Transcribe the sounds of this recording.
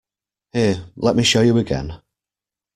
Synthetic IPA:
hɪːlɛʔ̚miʃoʊjəəɡɛ̰̃n

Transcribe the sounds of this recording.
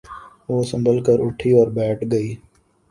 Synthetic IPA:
ʋoːsə̃mbəlkəɾʊʈʰiɔːɾbɛːʈʰɡəiː

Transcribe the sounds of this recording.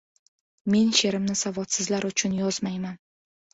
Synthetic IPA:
me̞nʃe̞ɾɪmnɪsavɒt̪sɪzlaɾʊt͡ʃʰʊnjɒzmajman

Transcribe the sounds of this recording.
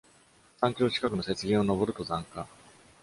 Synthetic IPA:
sãŋkʲo̞ːɕi̥kakɯ̟no̞se̞t͡sɨɡʲĩɰ̃ono̞bo̞ɾɯ̟t̪o̞zãŋka

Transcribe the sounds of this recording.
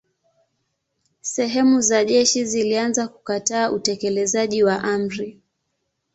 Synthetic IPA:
sɛɦɛmuzaʄɛʃizilianzaku̥kataːʔutɛkɛlɛzaʄiwaʔam̩ɾi

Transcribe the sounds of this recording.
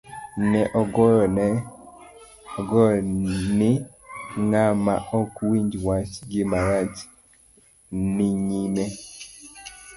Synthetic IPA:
nɛʔɔɡɔɾnɛ | ɔɡɔɾɔnɪ | ŋama̰ʔɔkwiɲd͡ʒwat͡ʃɡɪmaɾat͡ʃ | nɪɲime

